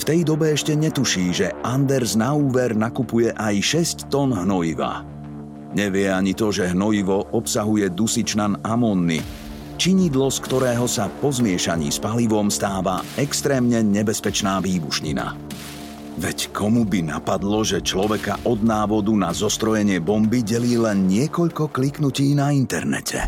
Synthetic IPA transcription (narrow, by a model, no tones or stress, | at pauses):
ft̪ɛjd̪ɔbɛɛʃcɛɲɛt̪uʃiːʒɛʔand̪ɛɾznauːʋɛɾnakupujɛʔajʃɛsct̪ɔnɦnɔjiʋa̰ | ɲɛʋɪɛaɲit̪ɔʒɛɦnɔjiʋɔʔɔpsaɦujɛd̪usit͡ʃnanamɔnːḭ | t͡ʃiɲiːd̪lɔskt̪ɔɾɛːɦɔsapɔzmɪɛʃaɲḭːspaliʋɔmst̪aːʋaɛkst̪ɾɛːmɲɛɲɛbɛspɛt͡ʃnaːʋiːbuʃɲḭna̰ | ʋɛckʰɔmubina̰pad̪lɔʒɛt͡ʃlɔʋɛkaʔɔd̪naːʋɔd̪unazɔst̪ɾɔjɛɲɪɛbɔmbiɟɛliːlɛnɲɪɛkɔʎkɔkliknuciːnaint̪ɛɾnɛ̰cʰɛ̰